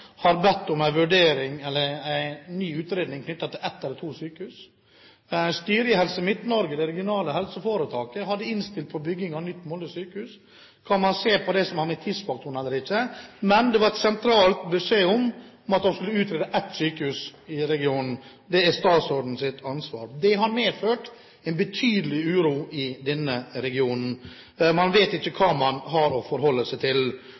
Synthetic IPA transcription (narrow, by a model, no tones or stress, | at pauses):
hɑɾbɛt̪ːʊmæɪʋʉɖeːɾɪŋɛlːəɾæɪnyːʉːt̪ɾeːd̪nɪŋkʰnʏt̪ːɑt̪ʰɪlɛt̪ːɛlət̪ʰuːsyːkəhʉːs | st̪yːɾɪəhɛlsəmɪt̪nɔɾɡəd̪ɛɾɛɡɪʊnɑːləhɛlsəfoːɾət̪ʰɑːkəhɑd̪ːəɪnst̪ɪlt̪̚pʰɔbʏɡːɪŋɑnʏt̪ːmɔləəsyːkəhʉːs | kʰɑnmɑnseːpʰɔd̪ɛsɔmhɑɾmɛt̪ʰɪsfɑk̚t̪ʰʊɳ̩ɛlːəɾɪçːəmɛnd̪ɛʋɑɾɛt̪sɛnt̪ʰɾɑːlt̪bʉseːʊmɔmɑt̪̚d̪ɔmskʉlːəʉːt̪ɾeːd̪əʔɛt̪ːsyːkəhʉːsɪɾɛɡɪuːnn̩ | d̪ɛæst̪ɑːt̪sɔɖ̪n̩sɪt̪ɑnsʋɑ̰ːɾd̪ɛɦɑɾmeːføːʈ | ɛɪnbət̪ʰyːd̪əlɪʉːɾuːɪd̪ɛnːəɾɛɡɪuːnn̩ | mɑnʋeːt̪ɪçːəkʰɑːmɑnɦɑɾɔfɔɾhɔlːəsɛɪt̪ʰɪl